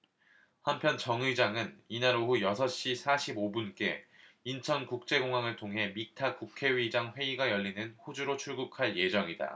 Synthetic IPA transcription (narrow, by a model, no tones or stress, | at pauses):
hampʰjʌnt͡ɕʌŋid͡ʑaŋɯninaɾoɦujʌsʰʌɕ͈isʰaɕʰibobunk͈e̞ | int͡ɕʰʌnkuk̚t͡ɕ͈e̞ɡoŋɦaŋɯɭtʰoŋɦe̞mik̚tʰakukʰe̞ɥid͡ʑaŋɸwe̞iɡajʌʎːinɯnɸod͡ʑuɾot͡ɕʰuɭɡukʰaɭje̞d͡ʑʌŋida̰